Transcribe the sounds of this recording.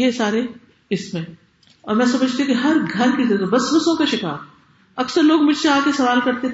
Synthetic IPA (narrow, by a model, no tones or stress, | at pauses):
jesaːɾe | ɪsmẽ | ɔːɾmɛ̃ːsɐməd͡ʒʱt̪iɦũkiɦɐɾɡʱɐɾkid͡ʒɐt̪bɐsʋɐsõkaʃɪka̰ːɾ | ɐksəɾloːɡmʊd͡ʒʱseaːkesɐʋaːlkɐɾt̪e